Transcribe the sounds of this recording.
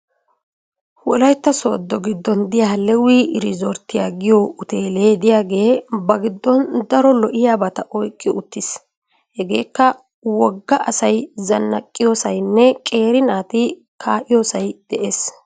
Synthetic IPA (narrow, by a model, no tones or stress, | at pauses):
wɔlɐjt̪ːɐso̰ːd̪ːɔɡɪd̪ːɔnd̪ɪjaːlɛwiʔɪɾɪzɔɾt̪ːɪjaːɡɪjɔʊt̪eːleːd̪ɪjaːɡe̞ːbɐɡɪd̪ːɔnd̪ɐɾɔlɔʔɪjaːbɐt̪ɐʔɔjkʼːɪʔʊt̪ːɪs | hɛɡe̞ːkːɐ | wɔɡːɐʔɐsɐjzɐnːɐkʼːɪjoːsɐjnːɛkʼe̞ːɾɪnaːt̪ɪ | kʰaːʔɪjoːsɐjd̪̥ɛʔeːs